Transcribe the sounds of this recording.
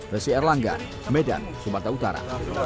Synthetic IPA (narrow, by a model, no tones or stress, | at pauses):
rəsiɛrlaŋɡa̰ | mɛda̰nsumat̪aut̪aɾa̰